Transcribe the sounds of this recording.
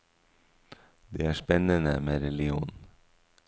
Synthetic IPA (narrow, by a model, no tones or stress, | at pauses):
d̪ḛːæːʃpɛnənəmeːɾɛlɪuːn